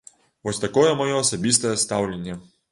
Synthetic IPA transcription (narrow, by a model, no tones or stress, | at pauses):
vɔsʲt̪ɐkɔjɛmɔjɔːsɐbʲist̪ɐjɛst̪awlʲenʲːɐ